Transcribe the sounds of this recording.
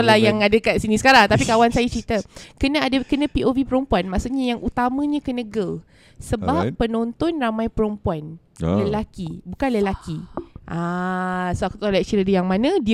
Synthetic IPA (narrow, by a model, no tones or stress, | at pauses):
lahjaŋadəkasinisə̥kaɾaŋt̪apikawansajat͡ʃɾit̪akənə̃adakənə̃piʔovipəɾompuanmãʔsuʔɲajaŋʔut̪amə̃ɲãkənə̃ɡəl | səbapːənont̪ɔnramãjpəɾəmpuan | ləlakibukanləlakiʔa | soakut̪olak̚t͡ʃiɾədəjaŋmãnə̃di